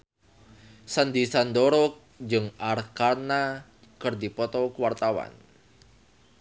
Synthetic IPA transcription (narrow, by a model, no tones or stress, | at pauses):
sand̪isand̪ɔɾɔ | d͡ʒɨŋʔarkana | kɨrd̪ipɔt̪ɔkuwart̪awa̰n